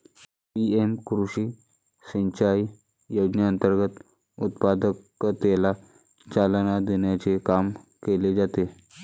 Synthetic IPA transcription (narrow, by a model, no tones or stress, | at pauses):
piemkɾuɕiː | səɲt͡ɕaj | jod͡ʑnəənt̪əɾɡət̪ | ut̪pad̪əkː | ət̪ela | t͡ɕalənad̪enjat͡sekamkeled͡zat̪e